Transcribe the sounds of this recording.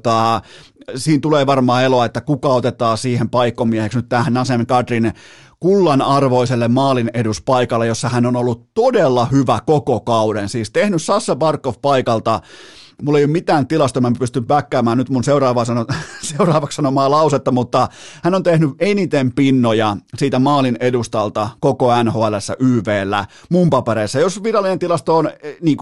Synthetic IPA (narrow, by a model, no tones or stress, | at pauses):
t̪ɑ | siːnt̪uleːʋɑrmɑːeloɑet̪ːækukɑot̪et̪ˑɑːsiːhempɑikːomieheksnyt̪t̪æhænɑsemekɑt̪rin | kulːɑnɑrʋoiselːemmɑːlineduspɑikɑlːejosːɑhænonolːutt̪odelːɑhyʋækokokɑudensiːst̪ehnyssɑsːɑpɑrkːofpɑikɑlt̪ɑ | mulːeijomit̪æːnt̪ilɑst̪omæmæpyst̪ympækːæːmæːnnyt̪munseurɑːʋɑsɑnoseurɑːʋɑkssɑnomɑːlɑuset̪ːɑmut̪ːɑhænont̪ehnyʔenit̪empinːojɑsiːt̪æmɑːlinedust̪ɑlt̪ɑkokoænhoːælesːæ̰ʔyːʋeːlːæ̰ | mumpɑpeɾeːsːæjosʋirɑlːˑinent̪ilɑst̪oːnniːŋk